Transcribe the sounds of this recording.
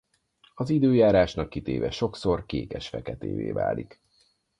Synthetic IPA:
ɒzid̪øːjaːɾaːʃnɒkːit̪eːvɛʃo̞kso̞rkeːkɛʃfɛkɛt̪ḛːveːva̰ːlik

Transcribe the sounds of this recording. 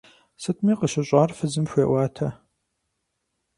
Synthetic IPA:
sɨtʰmiːqəɕɐɕʷʼaːrfɨzɨmɕʷeːwaːtʰɐ

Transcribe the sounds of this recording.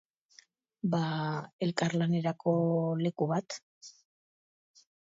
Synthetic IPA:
bae̞lkaɾlane̞ɾako̞le̞kuβat̪

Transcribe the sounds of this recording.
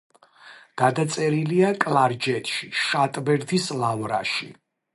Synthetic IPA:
ɡ̥ad̪at̪sʼɛɾiliakʼlˠaɾd͡ʒɛt̪ʼʃiʃat̪ʼbɛɾd̪islˠavɾa̰ʃḭ

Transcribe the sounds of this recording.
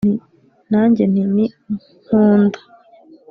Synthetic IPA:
ni | n̥aːɲɟen̥ini | ŋuːndo̥

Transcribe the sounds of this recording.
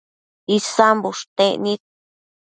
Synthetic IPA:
isambuʂt̪ẽʔnĩt̪̚

